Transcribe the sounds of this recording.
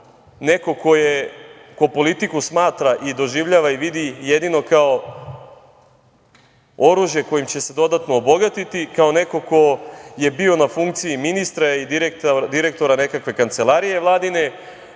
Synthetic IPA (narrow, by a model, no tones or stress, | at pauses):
ne̞ko̞ko̞jeko̞po̞lit̪ikusmaːt̪ɾaʔid̪o̞ʒiʋʎaːʋaiʋid̪ijed̪ino̞kao̞ | oɾuʒje̞ko̞jimt͡ɕe̞se̞d̪o̞d̪at̪noːbo̞ɡat̪it̪ikaone̞ko̞ko̞je̞bio̞nafuŋkt̪siiminist̪ɾaid̪iɾekt̪d̪iɾe̞k̚t̪o̞ɾane̞kakʋe̞kant̪se̞lˠaɾije̞ʋlˠaːd̪ine̞